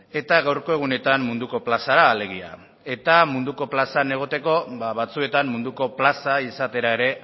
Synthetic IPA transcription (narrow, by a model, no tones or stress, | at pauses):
e̞t̪aɣawɾko̞e̞ɣ̞une̞t̪ammund̪uko̞plasaɾaːle̞ɣ̞ia̰ | e̞t̪amund̪uko̞plasane̞ɣ̞o̞t̪e̞ko̞βaβat͡sue̞t̪ammund̪uko̞plasaisat̪e̞ɾae̞ɾe̞